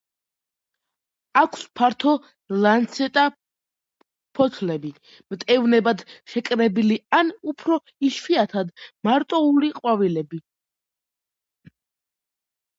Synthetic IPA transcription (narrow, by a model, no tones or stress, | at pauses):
akʷʰspʰaɾt̪ʰɔ | lant̪sʰɛt̪ʼa | pʰɔt̪ʰlɛbi | mt̪ʼɛvnɛbad̪ʃɛkʼɾɛbilianupʰɾɔ | iʃwiat̪ʰad̪maɾt̪ʼɔuliqʼwavilɛbi